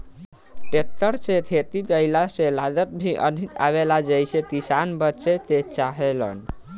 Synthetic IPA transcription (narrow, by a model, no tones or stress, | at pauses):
ʈek̚t̪əɾt͡ʃet̪ʰet̪ibəɪlaselad̪ət̪̚bʱiʔə̰nʱit̪ʰa̰βelad͡ʒəjset̪isanbətːt͡ʃet̪et͡ʃaɦelə̰n